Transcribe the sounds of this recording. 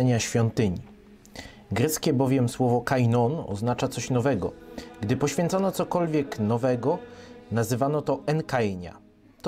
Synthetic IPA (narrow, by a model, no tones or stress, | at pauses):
ɛɲaɕfʲɔnt̪ɘɲi | ɡɾɛt̪skʲɛbɔvʲjɛmswɔvɔkajnɔnɔ̰znat͡ʂat̪sɔɕnɔvɛɡɔ̰ɡd̪ɘpɔɕfʲjɛnt̪sɔnɔt̪sɔkɔlvʲjɛknɔvɛɡɔnazɘvanɔt̪ɔʔɛnkajɲa̰ | t̪